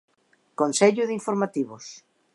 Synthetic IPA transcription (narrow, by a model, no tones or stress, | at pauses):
konseʎʊðiɱfoɾmat̪iβʊs